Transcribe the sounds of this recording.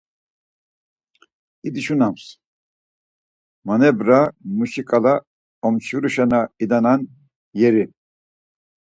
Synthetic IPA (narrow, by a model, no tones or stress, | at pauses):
id̪iʃunams | manɛbɾamuʃikʼala | ɔmt͡ʃuɾuʃanaid̪anan | jɛɾi